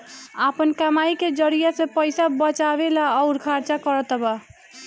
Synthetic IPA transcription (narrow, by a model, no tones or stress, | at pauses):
apənkamaiked͡ʒəɾijasẽpəjsabət͡ʃaβelaːʊɾkʰaɾt͡ʃakəɾət̪ba